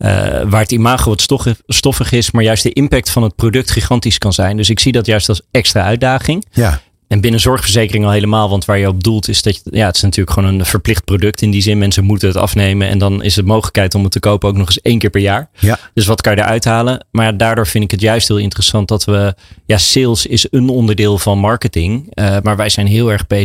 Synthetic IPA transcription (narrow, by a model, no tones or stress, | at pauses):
ə̰ʋaːɹətimaːχoʋɑtsstɔfəχɪsmaːɹjœɥstdəʔɪmpɛk̚tfɑnɦət̚prowdɵk̚tχiχɑntiskɑnzɛjndɵs̬ɪksidɑtjœɥstɑlˠsɛkstraːœɥd̚aːχɪŋ | ɛnbɪnəzɔɹχfəɹzejkərɪŋɑlˠɦejləmaːlˠʋɑntʋaːɹjəɔb̚dulˠtʰɪsdɑjaətɪ̥snatyːɹləkχʋownənv̥əɹplɪχt̚prowdɵk̚tɪndizɪnmɛnsəmutəɦətɑ̰fnejmənɛ̰ndɑnɪ̰sətmowχələkɦɛjtɔmətəkowpəowknɔχɪsejnkɪːɹpɛɹjaːɹd̥ɵs̬ʋɑtkɑnjədə̰ɹʔœɥtɦaːlənmaːdaːɹdʊːɹvɪndɪkɦətjœɥst̚ɦɪːlˠɪntərəsɑnt̚dɑtʋəjaːsɪlˠsɪsənɔndəɹdɪːlˠvɑnmɑɹkətɪŋəmaːɹʋɛjzɛjnɦɪːlˠɛɹχbe